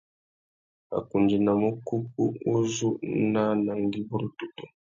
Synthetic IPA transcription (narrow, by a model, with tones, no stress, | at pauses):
a̰˨ku˨nd͡ʒi˨na˨mu˦ku˦p̚ṵ˦u˦zu˦na˦na˨ŋɡi˦bu˦ɾu˦tu˦tu˨